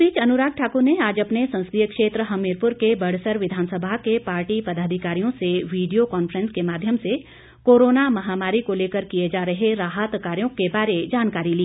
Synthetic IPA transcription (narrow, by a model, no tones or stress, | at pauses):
piːt͡ʃɐnʊɾaːk̚ʈʰaːkuɾneaːd͡ʒɐpnesɐ̃nsd̪ijəkʃeːt̪ɾəɦɐmeːɾpʊɾkebɐɽsəɾʋɪd̪ʱaːnsəbʱakepaːɾʈipɐd̪aːd̪ʱikaːɾijõseʋiːɖijokɔːnfɾə̃nskemaːd̪ʱjəmse | koːɾoːnamɐɦaːmaːɾikoleːkəɾkijed͡ʒaːɾɐɦeɾaːɦət̪kaːɾjõkebaːɾed͡ʒaːnkaːɾiliː